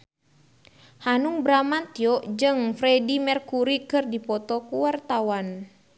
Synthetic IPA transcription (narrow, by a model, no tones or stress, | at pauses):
hanuŋbɾamat̪jɔʔd͡ʒɨŋfɾɛdimɛrkuɾikɨrdipɔt̪ɔkuwart̪awan